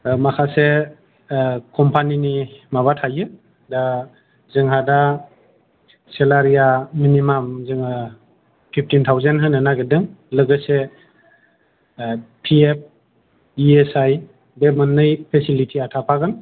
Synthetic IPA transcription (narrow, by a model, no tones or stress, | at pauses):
makʰase | kʰɔmpʰaninimaβatʰajɯ | da | zɯŋɦada | selaɾijaminimamzɯŋa | pʰip̚ʰtintʰawzenɦɯnɯnaɡedɯŋlɯɡɯse | pʰiep̚ | iesaj | bemɯnːɯjpʰesilitʰiatʰapʰaɡɯn